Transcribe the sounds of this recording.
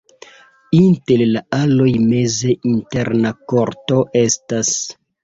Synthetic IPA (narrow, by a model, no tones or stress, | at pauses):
inte̞llaalo̞jme̞ze̞ʔinte̞ɾnako̞ɾto̞ʔe̞stas